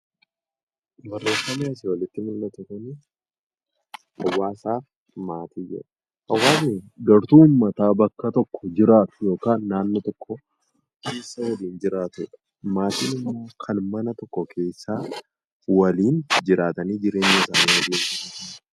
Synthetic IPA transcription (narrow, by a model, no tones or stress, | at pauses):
bɐrːe̞ːfɐmeːɐs̬ɪwɐlɪt̪ːɪmɪlnɐt̪ʊkɐni | hɐ̰wːaːsaːf | maːt̪iːd͡ʒɪ̰ɾɐ | hɐwːaːsɪɡɐɾt̪uːʊmːɐt̪aːbɐkːɐt̪ɔkːɔd͡ʒɪɾaːt̪jo̞ːkaːnːaːnːɔt̪ɔkːɔ | kʰe̞ːsːɐwɐliːnd͡ʒɪɾaːt̪ʊᶑɐ̥ | maːt̪ḭːnɪmːoːkʰɐnmɐnɐt̪ɔkːɔkʰe̞ːsːaː | wɐliːnd͡ʒɪɾaːt̪ɐniːd͡ʒɪɾe̞ːɲːɐsaːniwɐdiːkɐɐ